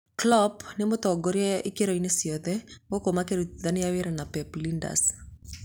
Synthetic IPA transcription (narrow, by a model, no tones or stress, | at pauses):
klɔpnemot̪ɔɡoɾjɛɪkeɾɔinesiɔðɛmɡokomakeɾutðanijaweɾanapɛplinda̰s